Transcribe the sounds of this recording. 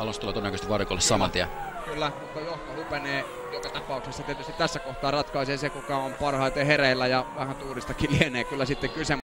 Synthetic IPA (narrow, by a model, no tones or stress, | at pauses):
ɑlonst̪ulɑt̪onækøst̪ʋɑrikolːessɑmɑ̰nt̪iæ̰ | kylːækuŋkojoht̪olupeneː | jokɑt̪ɑpɑˑuksesːɑt̪iet̪yst̪it̪t̪æsːækoht̪ɑːrɑt̪kɑˑiseːsekukɑompɑrhɑˑit̪ehereilːæjɑʋæhænt̪uːrist̪ɑkilieneːkylːæsit̪ːekkyse